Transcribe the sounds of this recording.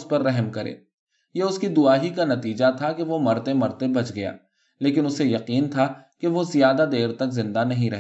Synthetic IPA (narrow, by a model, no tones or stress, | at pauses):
spɐɾːɛɦmkɐɾḛː | jeʊskid̪ʊaːɦikanɐt̪iːd͡ʒat̪ʰakeʋomɐɾt̪ẽmɐɾt̪ebɐt͡ʃɡɐja̰ː | leːk̬ɪnʊsejɐqiːnt̪ʰakeʋozijaːd̪ad̪eːɾt̪ɐkzɪ̃nd̪anɐɦĩɾɐɦ